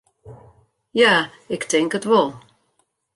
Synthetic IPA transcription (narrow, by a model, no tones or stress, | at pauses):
jaː | ɪktʰɪŋkətʋɔlˠ